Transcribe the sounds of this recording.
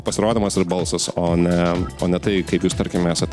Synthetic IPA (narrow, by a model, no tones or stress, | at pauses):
pɐsʲɪɾoːd̪ʲɪmɐsɪrbɐlˠsɐsoːnʲɛoːnʲɛt̪ɐɪkɐɪpjuːst̪ɐɾʲkʲɪmmæːsɐt̪